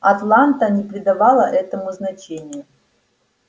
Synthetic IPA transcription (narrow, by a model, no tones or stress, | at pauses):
at̪lˠant̪ənʲɪpɾʲɪd̪avalˠəʔɛt̪əmʊznat͡ɕenʲɪjʊ